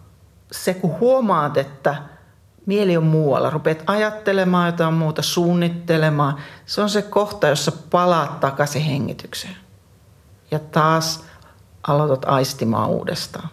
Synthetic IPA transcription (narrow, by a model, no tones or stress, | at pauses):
sekuhuomɑːt̪et̪ːæ | mieliommuːwɑ̰lːɑ̰rupet̪ɑjɑt̪ːelemɑːjot̪ɑːmmuːt̪ɑsuːnːit̪ːelemɑːseonsekoht̪ɑjosːɑpɑlɑːt̪t̪ɑkɑsiheŋːḭt̪ykse̥ | jɑt̪ɑːs | ʔɑlot̪ɑt̪ɑist̪imɑ̰ːṵːdḛst̪ɑː